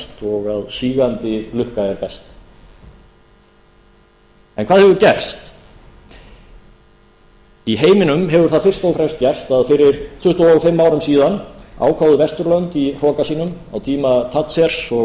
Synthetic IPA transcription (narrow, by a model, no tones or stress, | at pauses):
t̪ɔɣaðsiːɣant̪ɪlʏhkaɛɾpɛst̪ | ɛnkʰvaːðhɛvʏɾcɛr̥st̪ | iɦeːjmɪnʏmɦɛvʏɾ̥θaðfɪr̥st̪oːwfɾɛmst̪̚cɛr̥st̪aðfɪɾɪɾt̪ʰʏht̪awfɪmːaːwɾʏmsiːðana̰ːwkʰawðʏvɛst̪ʏɾlœnt̪ir̥ɔːkasiːnʏma̰wt̪ʰiːmat̪ʰat̪sɛɾ̥sɔ